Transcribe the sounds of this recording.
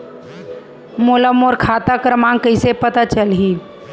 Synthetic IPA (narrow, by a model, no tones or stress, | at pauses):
moləmoɾkʰat̪akɾmãŋkəɪsepət̪at͡ʃəlɦi